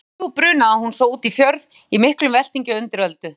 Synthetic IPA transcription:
upɾʏːnaahunsoːwuːt̪ifjœɾð | imɪhklʏmvɛl̥t̪iɲcʏʏnt̪ɪɾœlt̪ʏ

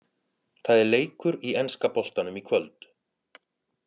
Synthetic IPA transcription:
θaðɛɾleːjkʏɾiɛnskapɔl̥t̪anʏmikʰvœlt̪

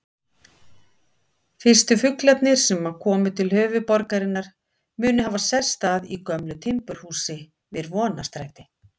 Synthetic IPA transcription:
fɪr̥st̪ʏfʏklɛt̪nɪɾ̥sɛmakʰɔːmʏt̪ʰɪlhœːvʏpɔɾkaɾɪnːaɾ̥ | mʏːnʏɦaːvasɛ̥st̪aðikœmlʏt̪ʰɪmpʏɾ̥huːsɪ | vɪɾvɔːnast̪ɾajt̪ɪ

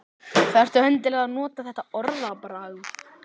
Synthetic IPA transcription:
θaðɛɾ̥t̪ʏhœnt̪̬ɪlaɣðanɔːt̪aθɛht̪ːaɔɾðapɾaɣ

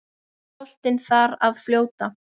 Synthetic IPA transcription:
ɔl̥t̪ɪnθaɾaðfljoːwt̪a

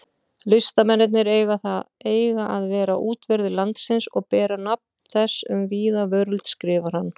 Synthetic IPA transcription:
lɪst̪amɛnːɪt̪̬nɪɾeːjɣaθaeːjɣaʔaðvɛːɾaʔuːt̪vɛɾðɪlant̪sɪnsɔɣpɛːɾanap̚nθɛsːʏ̰mviːðavœɾlt̪skɾɪːvaɾ̥hanː

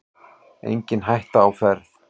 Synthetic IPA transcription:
ḛjɲcɪnɦajht̪aːwfɛɾ

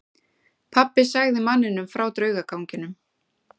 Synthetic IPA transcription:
pʰapːɪsaːɣðɪmanːɪnʏmfɾawt̪ɾœːɥɣakʰawɲcɪnʏm

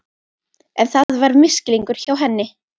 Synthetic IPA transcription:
ɛnθaðvaɾmɪscɪliŋkʏɾ̥çawɦɛnːɪ

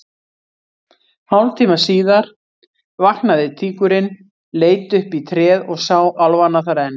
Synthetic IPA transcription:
hawlt̪ʰiːmasiːðaɾ̥ | vaknaðɪt̪ʰiːkʏɾɪn | leːjt̪ʏhpit̪ʰɾɛːðɔɣsawʔalvanaθaɾɛnː

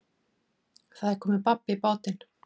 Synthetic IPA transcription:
θaðɛɾ̥kʰɔːmɪpapːɪipoːwt̪ɪn

